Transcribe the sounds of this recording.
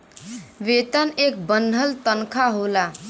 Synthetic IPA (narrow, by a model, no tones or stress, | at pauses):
ʋet̪ənek̚bənd̪ʱəlt̪ənkʰaɦola